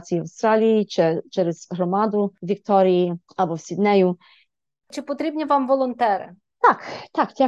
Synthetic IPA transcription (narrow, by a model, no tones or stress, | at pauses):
t̪t͡sʲijiɐwst̪ɾɑlʲijit͡ʃɛt͡ʃɛɾɛz̥ɦɾɔmɑd̪ʊʋʲikt̪ɔɾʲiji | ɐbɔwsʲid̪nɛjʊ | t͡ʃɪpɔt̪ɾʲibnʲiʋamʋɔlˠɔnt̪ɛɾɪ̰ | t̪ɑkt̪ɑktʲa